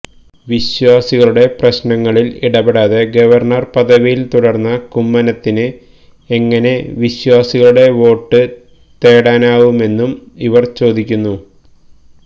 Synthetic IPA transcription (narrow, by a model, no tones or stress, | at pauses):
ʋiɕwaːsiɣɐɭuɽe̞prɐɕnɐŋːɐɭilḭɽɐbeɽaːðeɡɐʋɐrɳɐrpɐðɐʋijilt̪uɽɐrnːɐkumːɐnɐt̪ːinɨ | eŋːɐne̞ʋiɕwaːsiɣɐɭuɽe̞ʋo̞ːʈːɨ | t̪e̞ːɽaːnaːʋume̞nːumiʋɐrt͡ɕo̞ːd̪ikʲːunːu